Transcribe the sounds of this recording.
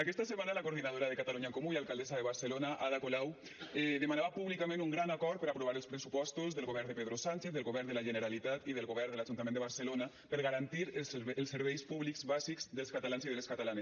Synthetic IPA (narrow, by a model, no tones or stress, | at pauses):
akɛst̪asəmanalakoɾðinað̞oɾaðəkat̪aluɲaeŋkomuialˠkalˠd̪ɛzaðəβaɾsəlonaʔaðakolaw | ɛðəmanaβapuβlikamẽnuŋɡɾanakɔɾt̪̚pəɾapɾuβaɾəlˠspɾəsupɔst̪uzðəlˠɣoβɛɾnd̪əpeðɾosanʲt͡ʃeθðəlɣoβɛɾnd̪əlaʒənəɾalit̪at̪iðəlˠɣoβɛɾd̪əlaʒunt̪amẽnd̪βaɾsəlona | pəɾɣaɾant̪iɾsəlˠsːəɾβɛjspuβlikzβazikzðəlˠskat̪alanziðəleskat̪alanes